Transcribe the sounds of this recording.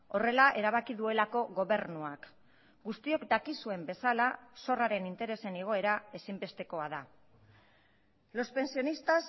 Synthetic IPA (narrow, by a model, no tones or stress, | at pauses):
o̞re̞laʔe̞ɾaβ̞akiðue̞lako̞ɣo̞βe̞ɾnuak | ɡust̪io̞kd̪akisue̞mbe̞salaso̞raɾe̞nint̪e̞ɾe̞se̞neɣ̞o̞e̞ɾae̞simbe̞st̪e̞ko̞aða | lo̞spe̞nsio̞nist̪as